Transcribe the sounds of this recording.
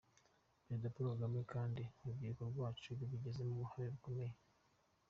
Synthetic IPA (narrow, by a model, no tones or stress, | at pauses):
bedapuɾoɡamekaːndimubɡikoɾɡwaːt͡ʃuβiβiɟe̞ze̞muβuhaɾeβiko̞me̞je